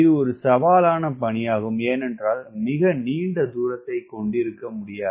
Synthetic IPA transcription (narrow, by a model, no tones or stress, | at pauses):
ɪðɯɔɾɯsɐʋaːlaːnɐpɐɳɪjaːɣɯmeːnɛndraːlmɪɣɐniːɳɖɐd̪uːɾɐt̪ːɐɪkɔɳɖɪɾɯkːɐmʊɽɪjaː